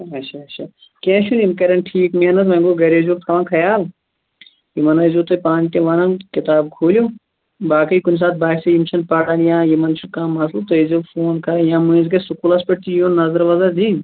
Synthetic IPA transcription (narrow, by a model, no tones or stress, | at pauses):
ɐt͡ʃʰɐɐt͡ʃʰɐ | kẽːt͡ʃʰunimkɐɾɐnʈʰiːkmeɐnɐs̬mɐ̃ɡoɡɐɾezuːkt̪ʰɐʋãːnkʰɐjaːl | jimɐnɐzuːt̪opãːnʈ̪ʲẽʋɐnɐnkit̪aːb̚kʰoːlʲjo | baːkɐikunʲs̬aːt̪̚baːksɐjimt͡ʃʰɐnpɐɽaljãːjimɐnt͡ʃʰunkãːmːɐslɐt̪ojizufoːnkʰɐɾjãːmuĩzɡɐsukulɐspɐʈt̪ʰijũːnnːɐzɐɾʋɐzɐd̪in